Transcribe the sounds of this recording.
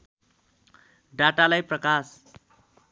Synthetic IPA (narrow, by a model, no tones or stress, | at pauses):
ɖaʈalajprʌkas